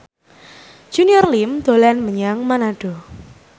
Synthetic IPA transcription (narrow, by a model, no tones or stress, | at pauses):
ʒ̥uniɔrlimd̪̥o̤lanməɲaŋmanaɖ̥ɔ̤